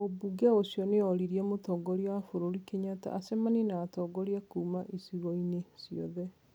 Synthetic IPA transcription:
obuɡɛosjɔneɔɾiɾiɛmotɔːɡɔɾiafoɾoɾikeɲata̰ʔasɛmanenaːtɔɡɔɾiakuːmaʔisiɣɔinesiɔ̰ðɛ

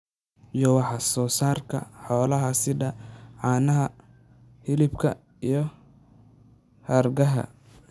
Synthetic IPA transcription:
ijɔwɑħɑsɔːsaːrkʰɐ̰ħɔːlɐɦɐsɪdɐʕɑːnɐɦɐ | hɪlɪbkʰɐ̰ | ijɞ | hɐrɡɐɦɐ̰

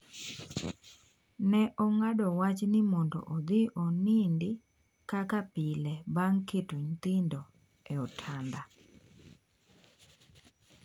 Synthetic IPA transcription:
nɛʔɔŋadɔwat͡ʃnɪmɔndo̰ʔod̪ɪʔonindɪ | kakapilɛbaŋketuɲt̪indo | ɛɔtʰanda

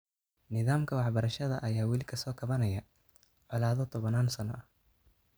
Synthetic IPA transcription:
nɪðaːmkʰɐwɑħbɐɾɐʃɐðɐʔɐjaːwɪlɪkʰɐsɔːkʰɐβɐnɐjɐ | ʕɑlaːðɔt̪ʰɔβɐnaːnsɐnɔ̰ʔɐ

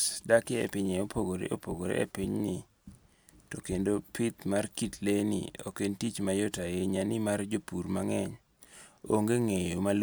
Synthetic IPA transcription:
dakɪḛpɪɲeopʰoɡoɾḛʔo̰poɡoɾḛḛpɪɲnɪ | tokendopʰɪt̪markitlenḭo̰kentit͡ʃmajotajeɲanɪmard͡ʒopuɾmaŋɛɲ | oŋɡeŋejomal

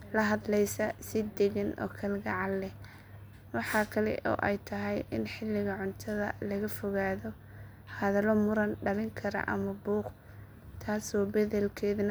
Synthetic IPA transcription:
lɐɦɐðlɛjsɐsɪd̪ɛɣɛnɔ̰ːkʰɐlɡɐʕɑlɛ | wɑħɑːkʰɐlɛ̰ʔɔ̰ːʔɛjt̪ʰɐɦɛjʔɪ̰nħɪlːɪɣɐʕʊnt̪ʰɐðɐ̰lɐɣɐfɔɣaːðɔ | hɐðɐlɔmʊɾɐnɖɐlɪŋkʰɐɾɐ̰ʔɐ̰mɐbuːq | t̪ʰaːsɔːbɛðɛlkʰɛːðnɐ

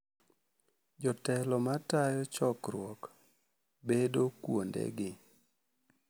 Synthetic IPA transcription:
d͡ʒɔtɛlɔmatajɔt͡ʃɔkɾwɔk | bedokwondɛ̰ɡɪ

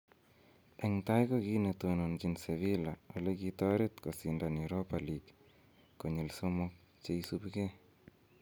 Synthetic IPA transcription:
eŋtajkokinetonont͡ʃinseβilawo̰lekitɔɾet̪kosindanewɾopalik | koɲelsomok̚ | t͡ʃeisupke

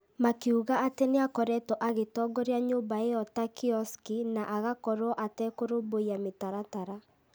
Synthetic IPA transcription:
makeuɣaateneakɔɾɛtɔʔaɣetɔɡɔɾjaɲoːbaeɔtakiɔskinaʔaɣakɔɾɔʔatɛkoɾoboiametaɾataɾa

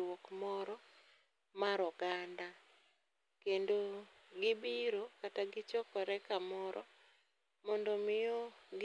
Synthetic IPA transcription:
wokmɔɾɔ | maɾɔɡanda | kendo | ɡɪbiɾokataɡɪt͡ʃɔkɔɾɛkamɔɾɔ̰ | mɔndomɪjoɡ

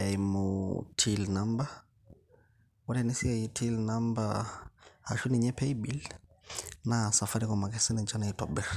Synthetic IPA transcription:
ɛimutʰilnamba | wɔlɛnisiaitʰilnamba | ha̰ʃuniɲɛpɛibil | nasafaɾikɔmakɛsɛnɛd͡ʒanaitɔ̰bɛɾ

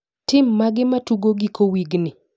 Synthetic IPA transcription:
tɪmːaɡɪmatuɡoɡikʰowiɡnɪ

